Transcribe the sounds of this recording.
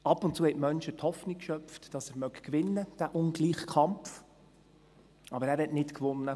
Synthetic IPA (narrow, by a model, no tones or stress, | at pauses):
ɑpʊntt͡suəhɛtmœnʃəthɔfnikʃœpftd̥ɑsæɾmœkkʋɪnːəd̥æːʔʊnɡliːχkʰɑmf | ɑbəɾæːɾhɛtnɪtkʋʊnːə